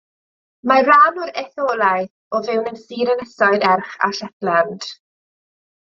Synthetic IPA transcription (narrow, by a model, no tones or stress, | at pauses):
maranʊɾɛθɔːlˠajθ | ɔvɪwnəmsiːɾənəsɔɨdɛrχa̰ʃɛθlɛnd̥